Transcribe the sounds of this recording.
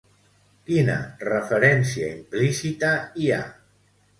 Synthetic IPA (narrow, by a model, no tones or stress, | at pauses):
kinə̰rəfəɾɛnsiaimplisit̪əia̰